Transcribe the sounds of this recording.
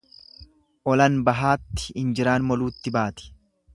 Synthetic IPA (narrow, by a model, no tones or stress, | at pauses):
ʔɔlɐnbɐɦaːt̪ːɪ̥ɪnd͡ʒɪɾaːnmɔluːt̪ːɪbaːt̪ɪ̥